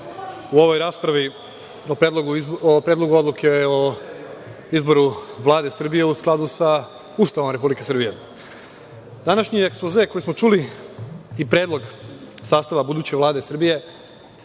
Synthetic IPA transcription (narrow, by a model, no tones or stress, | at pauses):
uoʋo̞jɾaːspɾaʋi | opɾed̪lˠoɡuopɾeːd̪lˠo̞ɡuo̞d̪lˠukʰeo | izbo̞ɾuʋlˠaːd̪e̞sr̩bije̞usklˠad̪usa | uːst̪aʋomɾe̞publike̞sr̩bije̞ | d̪anaʃɲieksplozeko̞jesmo̞t͡ʃuli | ipɾed̪lˠo̞ɡsaːst̪aʋabud̪uːt͡ɕeʋlˠaːd̪esr̩bije̞